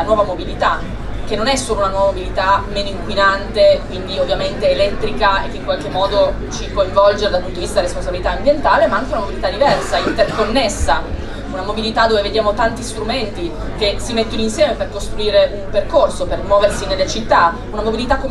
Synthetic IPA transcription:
anwɔːvamobilit̪a | k̟enːonɛsːoːlounanwɔːvamobilit̪ameːnoiŋkwinant̪ekwind̪iovːjament̪eːlɛt̪ɾikaekːeiŋkwalkemːɔːd̪o | t͡ʃikoiɱvɔld͡ʒeɾd̪alpunt̪oiist̪ad̪ɾrɾesponsabilit̪aːmbjent̪aːlemaaŋk̟eunamobilit̪ad̪ivɛrsaint̪erkonːesːa | unamobilit̪ad̪ːoveved̪jaːmot̪ant̪ist̪ɾument̪i | kesimet̪ːonoinsjɛːmeperkost̪ɾuiːɾeʔumperkorsopermwɔːversinelːet͡ʃit̪ːa | unamobilit̪akːo

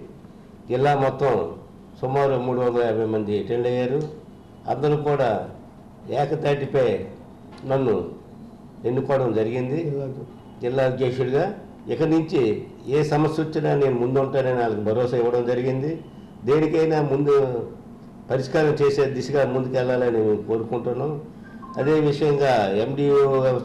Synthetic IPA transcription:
d͡ʒilːaːmɔt̪ːɐm | sumaːɾumuːɽuʋɐnd̪ɐlɐjɐːbʱɐjmɐnd̪iʈeɳɖɐjːaːɾu | ɐ̰nd̪ɐɾuːkuːɽaː | ɛːkɐt̪aːʈipɐj | nɐnːu | enːukɔːʋɽɐmd͡ʒɐɾiɡind̪i | d͡ʒilːaːud̪jeːkʂuluɡaː | ɛkɐnuɲt͡ʃi | eːsɐmɐsjɐot͡ʃːinaːne̞ːnumund̪uuɳʈaːnɐniaːlɐkibʱɐɾɔːsaiʋːɐɽɐmd͡ʒɐɾiɡind̪i | d̪e̞ːnikɐjnaːmund̪u | pɐɾiʂkaːɾɐmt͡ʃe̞ːse̞ːd̪isɐɡaːmund̪ukɛlːaːlɐniemko̞ːɾukuɳʈunːaːm | ɐ̰d̪e̞ːʋiʂɐjɐŋɡaːemɖiːo

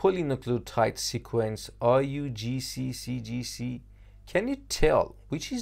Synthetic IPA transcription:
pɔlĩnəkʰlətʰaɪtsikʰwɛ̃nsajud͡ʒisisid͡ʒisi | kʰɛ̃njɨtʰɛlˠwɪt͡ʃɪz

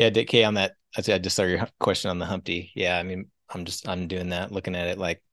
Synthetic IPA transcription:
jædɪkʰeɪə̃nðɨt̚aɪsaɪdɨsə˞ɡə˞kʰw̥ɛst͡ʃɨ̃nə̃n̩ðəɦʌ̃mp̚tijæaɪmĩn | ãɪ̃md͡ʒʌstãɪ̃mdʉɪ̃ŋðætˡlʊkɪ̃ŋɨɾɨt̚ˡlaɪk̚

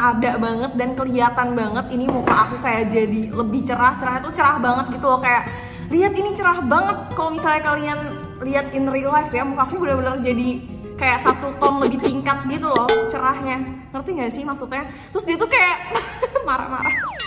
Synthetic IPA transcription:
ʔadaʔbaŋət̪̚dankəliat̪anbaŋət̪inimokaʔːkukajaʔd͡ʒadiləbɪht͡ʃəɾaht͡ʃəɾahɲat̪ut͡ʃəɾahbaŋət̪̚ɡit̪ulɔhkajaʔ | liat̪init͡ʃəɾahbaŋət̪̚kalomisalɲakalian | liɦat̪ɪnrilafjamokakuɲabədabənərd͡ʒadi | kajaʔsat̪ut̪ɔnləbɪht̪iŋkat̪̚ɡit̪ulɔht͡ʃəɾahɲaŋərt̪iŋɡaʔsɪhmaksut̪ɲa | t̪ɾʊsdiat̪ukajaʔmaɾa̰ma̰ɾah

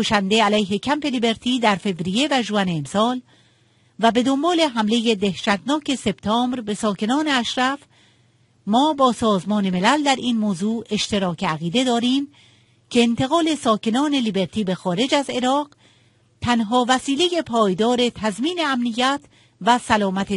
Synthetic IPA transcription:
oʃænd̪e̞ælæjɦe̞cʰæmpe̞libe̞ɾt̪ʰiːd̪æɾfe̞vɾije̞væʒoæneːmsɒːl | væbe̞d̪o̞mbɒːle̞ɦæmle̞jed̪ehʃæt̪nɒːcʰe̞se̞b̥t̪ʰɒːmbɾbe̞sɒːke̞nɒːne̞æʃɾæf | mɒːbɒːsɒːzmɒːne̞me̞læld̪æɾʔiːnmoːzuːe̞ʃt̪e̞ɾɒːcʰeæɣiːd̪e̞d̪ɒːɾiːm | cʰe̞ːnt̪ʰe̞ɣɒːle̞sɒːke̞nɒːne̞libe̞ɾt̪ʰiːbe̞xɒːɾe̞d͡ʒæze̞ɾɒːɢ | t̪ʰænɦɒːvæsiːle̞je̞pʰɒːjd̪ɒːɾe̞t̪ʰæzmiːne̞æmnijːæt̪ʰ | væsælɒːmæt̪ʰe

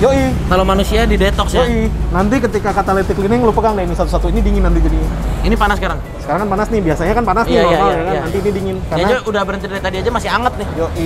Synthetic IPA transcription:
joʔikalomanusiadidet̪ɔksoinant̪ikət̪ikakat̪alɛt̪ɪklinɪŋlupakanlainisat̪usat̪uinidiŋɪnːant̪̬id͡ʒadiɲinipanasəkaɾaŋ | sə̥kaɾaŋkanpanasnɪbiasaɲakanpanasnɪaaljakannant̪iːnidiŋɪnkaranad͡ʒaudahbəɾənt̪idɾet̪adiad͡ʒamasɪɦaŋət̪̚nɪhjoʔi

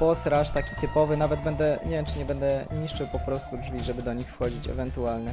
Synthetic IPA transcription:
pɔsɾaʂt̪akʲi̥t̪ɘpɔvɘnavɛd̪bɛnd̪ɛɲevʲjɛmt͡ʂɘɲɛbɛnd̪ɛɲiʂt͡ʂɘwpɔpɾɔst̪udʐvʲiʐɛbɘd̪ɔɲixfxɔd͡ʑit͡ɕɛ̰vɛnt̪ualnɛ

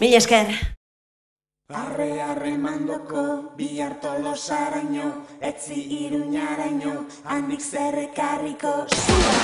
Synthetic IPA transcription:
miʎeskeɾ | areare̞mand̪okoβiʎaɾt̪olosaɾaɲoet͡siʔːɾuɲaɾaɲo̞ | and̪ikserekariko̞su

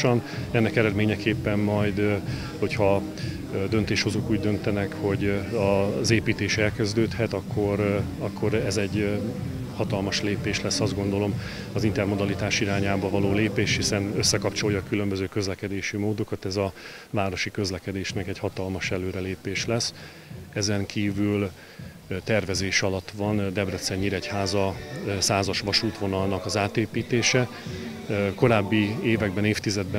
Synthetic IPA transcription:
ʃɒnɛnːɛkɛɾɛd̪meːɲɛkeːpːɛmmɒjd̪ | ho̞chɒ | d̪ønt̪eːʃho̞zokuːɟd̪ø̞nt̪ɛnɛkho̞ɟɒzeːpiːt̪eːʃɛlkɛzd̪øːt̪hɛt̪ɒkːo̞ɾ | ɒkːo̞ɾɛzɛɟː | hɒt̪ɒlmɒʃleːpeːʃlɛsːɒzd̪ɡo̞nd̪o̞lo̞m | ɒzint̪ɛrmo̞d̪ɒlit̪aːʃiɾaːɲaːbɒvɒloːleːpeːʃhisɛnøsːɛkɒpt͡ʃo̞jɒkylø̞mbøzøːkø̞zlɛkɛd̪eːʃimoːd̪o̞kɒt̪ɛzɒ | vaːɾo̞ʃikø̞zlɛkɛd̪eːʃnɛkɛɟhɒt̪ɒlmɒʃɛløːɾɛleːpeːʃlɛs | ɛzɛŋkʰiːvyl | t̪ɛrvɛzeːʃɒlɒt̪ːʋɒnd̪ɛbrɛt̪sɛɲːiɾɛchaːzɒsaːzɒʃʋɒʃuːt̪ʋo̞nɒlnɒkɒzaːt̪eːpiːt̪eːʃɛ | ko̞ɾaːbːieːvɛɡbɛneːft̪izɛd̪̚bɛ

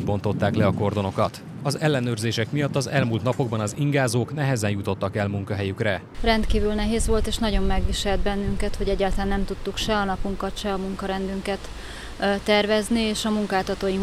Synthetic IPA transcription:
bo̞nt̪o̞t̪ːaːklɛɒko̞rd̪o̞no̞kɒt̪ | ɒzɛlːɛnøːrzeːʃɛkmijɒt̪ːɒzɛlmuːlt̪nɒpo̞ɡ̚bɒnɒziŋɡaːzoːknɛɦɛzɛnjut̪o̞t̪ːɒkɛlmuŋkɒɦɛjykrɛ | rɛnt̪kiːvylnɛɦeːzʋo̞lt̪eːʃnɒɟo̞mːɛɡʋiʃɛld̪̚bɛnːyŋkɛt̪ho̞ɟɛɟːaːlt̪ɒlanɛmt̪ut̪ːukʃɛɒnɒpuŋkɒt̪ʃɛɒmuŋkɒɾɛnd̪yŋkɛt̪ | t̪ːɛrvɛznieːʃɒmuŋkaːlt̪ɒt̪oːjiŋ

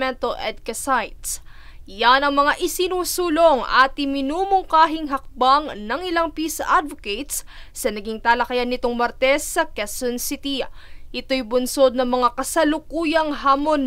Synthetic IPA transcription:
ɛnt̪oʔɛd̪̚kɐsajt̪s | janɐŋmɐŋaʔɪsɪnuːsuːloŋɐ̰t̪ɪmɪnuːmʊŋkaːɦɪŋɦɐk̚baŋnɐŋɪlaŋpiːsɐ̰ʔad̪voket̪ssɐnɐɡiŋt̪aːlɐkɐjanːɪt̪oŋmɐɾt̪ɛsːɐkɛsonsɪt̪iʔɪt̪o̞jbʊnso̞d̪̚nɐŋmɐŋakɐsɐlʊkuːjɐŋɦaːmon

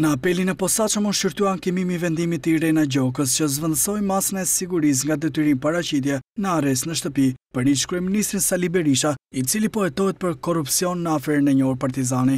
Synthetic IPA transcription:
nəapɛlinɛpɔsat͡ʃəmunʃiɾt̪uankimimivɛnd̪imit̪iɾɛnɛɟɔkəst͡ɕəzvənd̪əsɔjmasənɛsiɡuɾis̬ŋɡad̪ɛt̪yɾinpaɾat͡ɕit̪̬jɛnəaɾɛs̬t̪nəʃ̬t̪əpipəɾit͡ʃkɾuɛminist̪ɾinsalibɛɾiʃait͡silipɔɛt̪ɔɦɛt̪̚pəɾkɔrupsiɔnːəafɛɾnɛɲɔɾpaɾt̪izani

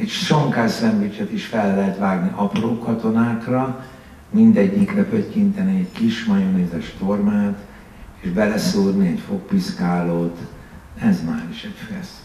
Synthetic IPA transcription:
ɛcʃoŋkaːssɛmbit͡ʃɛt̪iʃfɛlːɛɦɛt̪ʋaːɡniʔɒproːkɒt̪o̞naːkrɒ | mind̪ɛɟːikrɛpøckint̪ɛniɛɟkiʃmɒjoneːzɛʃt̪o̞rmaːt̪ | eːʒbɛlɛsuːrniɛcfo̞k̚piʃkaːloːt̪ | ɛzmaːɾiʃɛcfɛs

